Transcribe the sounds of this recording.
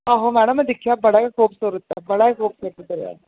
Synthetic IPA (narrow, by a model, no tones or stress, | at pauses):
aːɦomɛːɽəmːɛ̃d̪ɪkʰijabɐɽakakoːpsoːɾot̪ːaɛbɐɽakakoːpseʈək̪ɐɾja̰ː